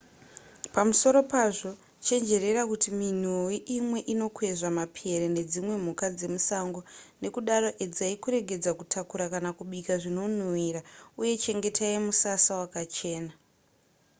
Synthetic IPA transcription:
pamuso̞ɾo̞paʐo̞ | t͡ʃe̞nd͡ʒe̞re̞rakutimin̤uiʔimwe̞ʔino̞kwe̞ʐamapʰieɾene̞d͡zimwe̞m̤ukad͡ze̞musaŋɡo̞ne̞kuɗaro̞ʔed͡zaikuɾe̞ɡe̞d͡zakutʰakuɾakanakuɓikaʐino̞n̤uwiɾauje̞t͡ʃe̞ŋɡe̞tʰaimusasawakat͡ʃe̞ːna

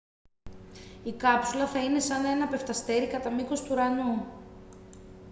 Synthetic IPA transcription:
ikɐpsulɐθɐine̞sɐne̞nɐpe̞ft̪ɐst̪e̞ɾikɐt̪ɐmiko̞st̪uɾɐnu

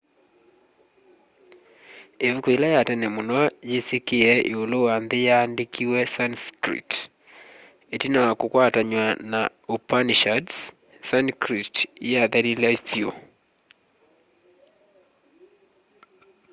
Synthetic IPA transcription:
evukoilajatɛnɛmonɔjesekeɛʔeolowanðejaːndekʰiwɛsanskɾḭt | etinawakokwataɲwana | opaniʃads | sankɾitjaðɛɾilaθjo

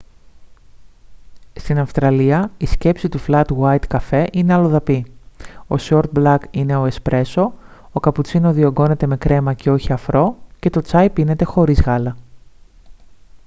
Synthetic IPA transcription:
st̪inɐfst̪ɾɐliɐisce̞psit̪uflɐt̪wɐjt̪kɐfe̞ʔine̞ɐlo̞ðɐpi | o̞soɾt̪̚blɐkine̞o̞espɾʔe̞so̞okɐput͡sino̞ðio̞ɡo̞ne̞t̪e̞me̞kɾe̞mɐceo̞çiɐfɾo̞ce̞t̪o̞t͡sɐjpine̞t̪e̞xo̞ɾizɣɐlɐ

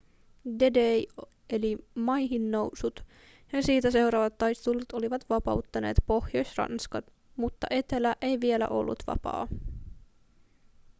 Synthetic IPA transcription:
dedej | e̞limɑjɦinːowsut̪ | jɑsiːt̪æse̞wɾɑːʋɑt̪ːɑjst̪ulːut̪o̞liʋɑt̪ʋɑpɑ̰wt̪ːɑne̞ːt̪po̞xjo̞jsʲrɑ̰nskɑt̪ | mut̪ːɑ̰ʔe̞t̪e̞læʔe̞jʋie̞læ̰ʔo̞̰lːṵt̪ʋɑ̰pɑ̰ː

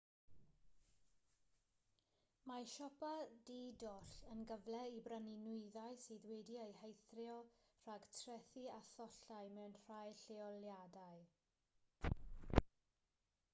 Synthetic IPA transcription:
maʃɔpadidɔɬənɡəvlɛibrəninʊɨðaɨsiːðwɛdiejhejθrjɔr̥aɡtʰrɛθiaθɔɬajmɛwnr̥ajɬeɔljadaɨ

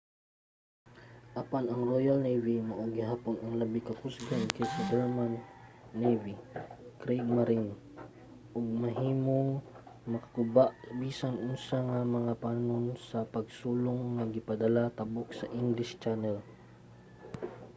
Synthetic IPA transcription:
ʔɐpanɐŋɹojɐlnejvimɐʔoɡɪɦaːponɐŋlɐbikɐkʊsɡankɛjsɐd̪ɛɹmanːejvikɾɛjɡ̚maɾin | ʔʊɡ̚mɐɦiːmoŋmɐkɐ̥ɡʊbaʔbiːsaŋʔʊsaŋamɐŋapaːnonsɐpɐɡ̚suːlʊŋːɐɡɪpɐd̪ɐlat̪ɐbʊk̚sɐʔɪŋɡlɪʃt͡ʃanɛl

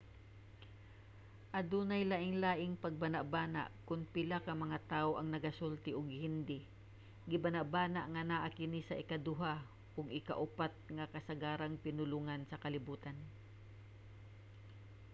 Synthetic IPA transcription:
ʔɐd̪uːnɐjlaʔɪŋlaːʔɪŋpɐɡ̚bɐnaʔbaːna̰ʔkʊnpɪlakɐmɐŋat̪aːʔoʔɐŋnɐɡasult̪ɪʔʊɡhɪnd̪ɪ | ɡɪbanaʔbaːnaʔŋɐnaʔakɪnisɐʔɪkad̪ʊɦa | ʔʊɡɪka̰ʔʊpat̪̚ŋɐkɐsɐɡaːɾaŋpɪnʊluŋansɐkɐlɪbuːt̪an

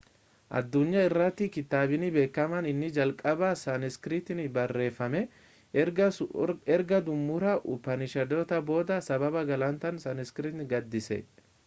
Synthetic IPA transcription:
ʔɐ̰d̪ːʊɲːɐɪrːɐt̪ːɪkɪt̪aːbɪnɪbe̞ːkːɐmɐnɪnːɪd͡ʒɐlkʼɐbaːsɐnɪskɾɪt̪ɪnɪbɐrːe̞ːfːɐmɛ | ɛɾɡɐd̪ʊmːʊɾaʔʊpːɐnɪʃɐd̪oːt̪ɐbo̞ːd̪ɐsɐbɐbɐɡɐlɐnt̪ɐnsɐnɪskɾɪt̪nɡɐd̪ːɪsɛ̰

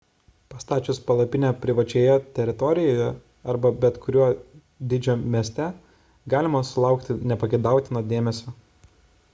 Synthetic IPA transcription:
pɐst̪ɑːt͡ʃʲʊspɐlˠɐpʲɪnʲɛːpʲɾʲɪʋɐt͡ʃʲeːjɛt̪ʲɛɾʲɪt̪ɔɾʲɪjoːjɛ | ɐɾbɐbʲɛt̪kʰʊɾʲuː | d̪ʲɪd͡ʒʲoːmʲiɛsʲt̪ʲɛ | ɡɑːlʲɪmɐsʊlˠɑˑʊkt̪ʲɪnʲɛpɐɡʲɛɪd̪ɑˑʊt̪ʲɪnoːd̪ʲeːmʲɛsʲoː

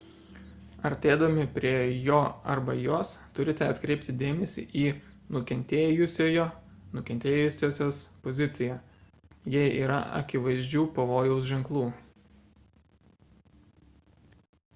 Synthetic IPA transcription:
ɐɾʲt̪ʲeːd̪ɐmʲɪpʲɾʲiɛjoːɐɾbɐjoːst̪ʊɾʲɪt̪ʲɛɐt̪ʲkɾʲɛɪpʲt̪ʲɪd̪ʲeːmʲɛsʲḭʔiːnʊkʲɛnʲt̪ʲeːjʊsʲoːjoːnʊkʲɛnʲt̪ʲeːjʊsʲoːsʲoːspozʲɪt̪sʲɪjæː | jɛɪḭːɾɐ̰ɐ̰kʲɪʋɐɪzʲd͡ʒʲuːpɐʋoːjɛʊsʒʲɪŋklˠuː

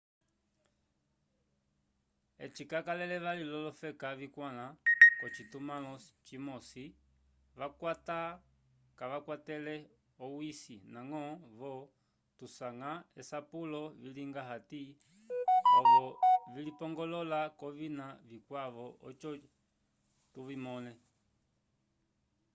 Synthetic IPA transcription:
ɛ̰t͡ʃikakalɛlɛʋalilɔlɔfɛkavikwalakɔt͡ʃitumalɔt͡ʃimɔsi | ʋakata | kaʋakwatɛlɛ | ɔwisinaŋɔβɔ | tusaŋaɛsapulɔviliŋɡaɦati | ɔβɔvilipɔŋɡɔlɔlakɔvinavikwaʋɔʔɔt͡ʃɔ | tuvimɔnɛ

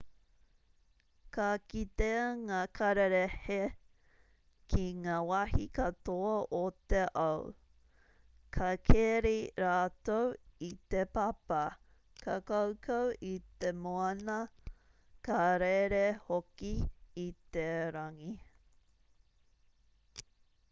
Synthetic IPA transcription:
kakit̪eŋakʰɐɾeɾehe | kʰiŋaːwɐhikɐt̪oɐʔot̪eʔɐw | kʰɐkʰeːɾiɾaːt̪owit̪epɐpɐ | kʰakɐwkʰɐwʔit̪emoɐnɐ | kɐaɾeɾehokiːt̪eɾɐŋi

